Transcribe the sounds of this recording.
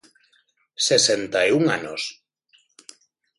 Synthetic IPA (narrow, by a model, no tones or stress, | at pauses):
sesent̪ajuŋanos